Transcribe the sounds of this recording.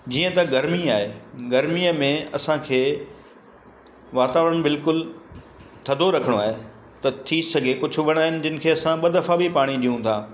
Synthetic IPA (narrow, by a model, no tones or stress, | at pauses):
d͡ʑiːə̃t̪ɐɡɐɾmiaːɦeɡɐɾmiəmẽɐsãkʰeː | ʋaːt̪aːʋɾəɽ̃bɪlkʊl | t̪ʰɐd̪ʱoɾɐkʰəɽ̃oaːɦe | t̪ɐt̪ʰisɐɡʱekʊd͡ʑʱʊ̆ʋɐɽ̃aːɦɪnɪ̆d͡ʑɪnɪ̆kʰeːɐsãɓɐd̪ʱəfabipaːɽ̃iɗijũt̪ʰãː